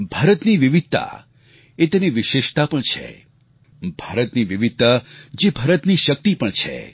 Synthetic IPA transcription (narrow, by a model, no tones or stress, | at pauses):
bʱaɾət̪niʋiʋid̪̚t̪ːa̰ | et̪eniʋɪʃeʃt̪apəɳt͡ʃʰḛ | bʱaɾət̪niʋiʋid̪̚t̪ːad͡ʒebʱaɾət̪niʃək̚t̪ipəɳt͡ʃʰḛ